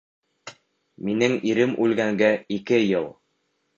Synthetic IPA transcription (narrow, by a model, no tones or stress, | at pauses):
minɘŋiɾɘmʔʉlɡæŋɡæikɘjɤlˠ